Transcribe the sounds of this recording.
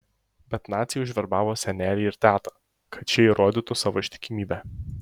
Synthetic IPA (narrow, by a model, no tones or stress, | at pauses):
bʲɛt̪naːt̪sʲɪjʊʒʋʲɛɾbaːʋosʲɛnʲɛɾʲɪɪɾt̪ʲæːt̪ɐ̥ | kʰɐt͡ʃʲɛiɾʔɔːd̪ʲɪt̪ɔsaʋoʃʲt̪ʲɪ̥kʲimʲiːbʲɛ